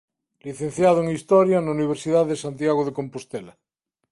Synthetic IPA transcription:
liθẽn̟θjað̞oeŋist̪oɾjanauniβ̞eɾsiðaðesant̪jaɣ̞oð̞ekompost̪ela

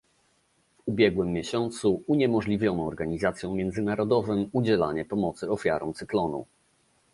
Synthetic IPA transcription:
vubʲjɛɡwɘmːjɛɕɔnt̪suuɲɛmɔʐlʲivʲjɔnɔ̃ɔɾɡaɲizat̪sʲjɔ̃w̃mʲjɛnd̪zɘnaɾɔd̪ɔvɘmud͡ʑɛla̰ɲɛpɔmɔt̪sɘɔfʲja̰ɾɔ̃wt̪sɘklɔnṵ

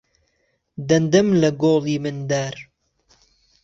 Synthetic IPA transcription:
d̪ɐnd̪ɨmlɐɡoːliːmɨnd̪aːɾ

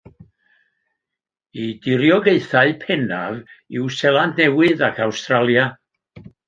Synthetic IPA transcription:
idɪɾjɔɡeɨθaɨpʰɛnavɪwsɛlˠandnɛwɪðakʰawstralˠja

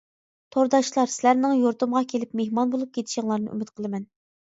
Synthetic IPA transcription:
t̪ʰoɾd̪ɑʃlˠɑɾsɪlæɾnɪŋjoɾt̪umʁɑkʲʰelɪpmehmɑnbolˠup̚kʲʰet̪ʰɪ̥ʃɪŋlˠɑɾnɨ̰ʔy̰mɪt̪̚qʰəlˠɨmɛn

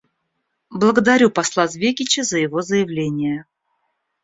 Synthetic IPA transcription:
blˠəɡəd̪ɐɾʲupɐslˠazvʲekʲɪt͡ɕəzəjɪvo̞zəjɪvlʲenʲɪjə

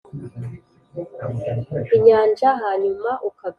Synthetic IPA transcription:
iɲaːnd͡ʒaɦaːɲumaʔukaɡ

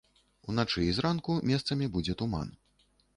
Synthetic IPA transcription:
unat͡ʂɨizɾankumʲɛst̪sɐmʲibud͡zʲɛt̪uma̰n

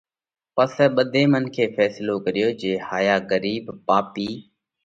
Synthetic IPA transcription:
pəsɛːɓəd̪ʱeːmənkʰeːfʰɛːsloːkəɾɪjoːd͡ʒeːhaːjaːɡəɾiːbpaːpiː

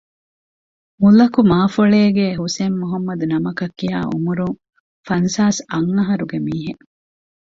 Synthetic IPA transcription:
mulɐkumaːfɐɭeːɡeɦusemːuɦɐmːɐd̪unɐmɐkɐkːia̰ːʔṵmuɾuŋ | fɐnsaːsɐŋːɐɦɐɾuɡemiːɦe

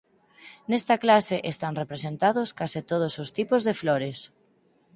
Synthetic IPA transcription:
nest̪aklaseʔest̪anrepɾesent̪aðoskasɪt̪oð̞osost̪ipozðefloɾes

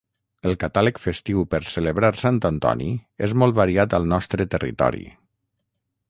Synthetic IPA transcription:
əlˠkat̪aləkfəst̪iwpəɾsələβɾaɾsant̪ənt̪ɔ̰nḭezmɔlˠt̪βaɾiat̪əlˠnɔst̪ɾət̪ərḭt̪ɔ̰ɾḭ

